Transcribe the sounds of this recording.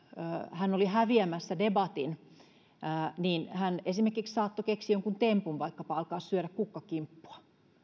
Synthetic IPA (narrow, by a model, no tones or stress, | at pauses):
hænːolihæʋiæmæsːædebɑt̪inː | niːnhænesimerkikssɑːt̪ːokeksiːjoŋkunt̪empunʋɑikːɑpɑɑlkɑːssyøɾækkukːɑkimpːu̥ɑ̥